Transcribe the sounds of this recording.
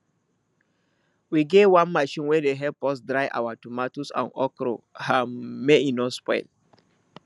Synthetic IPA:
wiɡewãnmaʃĩnwɛdeɦɛpɔsdɹajʔa̰watumatosã̰nɔkɾo̰hãmːeĩnɔ̃spɔ̰ɪ̰l

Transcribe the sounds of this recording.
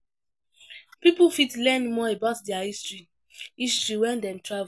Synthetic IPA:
pipufitlɛ̃nmɔebaʊtdɛaistɹi | istɹiwɛ̃ndɛ̃mtɹav

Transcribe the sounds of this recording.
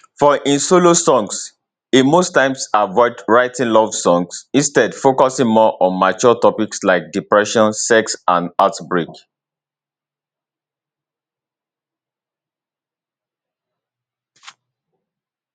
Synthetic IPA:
fɔʔĩnsolosɔ̃ŋs | imostãɪ̃msavɔɪdɹaɪtĩnlɔvsɔ̃ŋsĩnstɛdfokɔsĩŋmɔʔɔ̃nmat͡ʃɔtɔpikslaɪk̚dipɹɛʃɔ̃nsɛksãnatbɹek

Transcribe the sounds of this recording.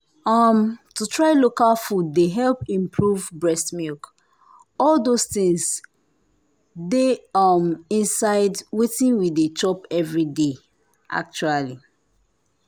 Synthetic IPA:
ʌmtutʰɹaɪlokalfuddeɦɛlpĩmpʰɹuvbɹɛstmilk | ɔlˠdostĩŋs | deʌmĩnsaɪdwetĩnwiðet͡ʃɔpɛvɹide | ʔa̰k̚t͡ʃuali

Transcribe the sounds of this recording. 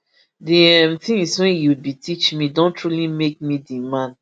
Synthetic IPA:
diɛ̃mθĩŋswɛ̃njubitʰit͡ʃmidõntʰɹulimek̚midimãn

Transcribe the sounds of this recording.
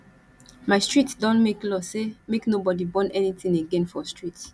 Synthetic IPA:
maɪstɹitdɔ̃nmeklɔsemeknobɔdibɔ̃nɛnitĩŋeɡɛ̃nfɔstɹit

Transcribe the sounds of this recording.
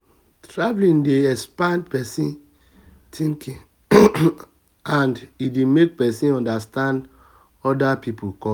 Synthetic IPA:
tɹavlĩndeɛspãndpɛsĩn | tʰĩŋkʰĩ | ãndidemek̚pɛsĩnɔ̃ndastãnd | ɔdapipukɔ

